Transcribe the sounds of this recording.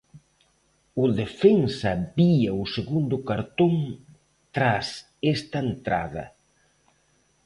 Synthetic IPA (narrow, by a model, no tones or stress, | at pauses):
ʊðefensɐbiɐʊseɣund̪ʊkaɾt̪oŋ | t̪ɾas | est̪ɐent̪ɾa̰ðɐ̰